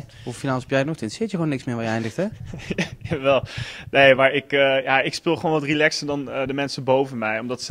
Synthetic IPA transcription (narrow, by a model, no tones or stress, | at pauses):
uffinaːlˠəsɛpjɛjnɔxtəɪntəsɪːtjəχownːɪksmɪːɹʋajəɛjndəxtɛajaʋɛlˠnejmaːɹɪkəjaɪkspɪːlˠχəʋonʋɑtrilɛksədɔndəmɛnsəbowvənmɛjɔmdɑts